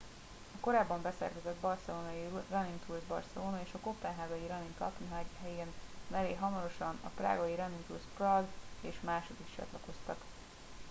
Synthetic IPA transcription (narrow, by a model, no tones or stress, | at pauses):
ɒko̞ɾaːbːɒmbɛsɛ̰rkɛzɛd̪bɒrsɛloːnɒjirɒnint̪ʰulzbɒ̰rsɛloːnɒeːʃɒko̞p̪ɛnɦaːɡɒjiɾɒniŋk̪ɒ̰p̪niɦaɦɛjeːnnɛleːɦɒmɒɾo̞ʃɒnɒ̰pra̰ːɡɒjiɾɛnint̪ulsprɒzeːʃmaːʃod̪ikt͡ʃɒ̰t̪lɒko̞st̪ɒt̪